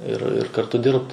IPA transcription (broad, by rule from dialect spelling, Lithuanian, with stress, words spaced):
ɪr ɪr kɐrˈtʊ ˈdʲɪrpt